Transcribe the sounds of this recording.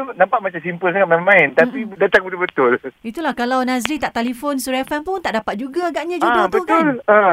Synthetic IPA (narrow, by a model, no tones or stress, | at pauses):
nãmpaʔ̚mat͡ʃamsimpəlsaŋat̪̚mɛmãɪnt̪apidat̪aŋbət̪ʊbət̪ʊlit̪ulahkalawnãsɾit̪aʔt̪alifonsuɾafanpʊnt̪aʔdapat̪̚d͡ʒuɡaaɡaʔɲãd͡ʒuɡab̪ək̪ʊanla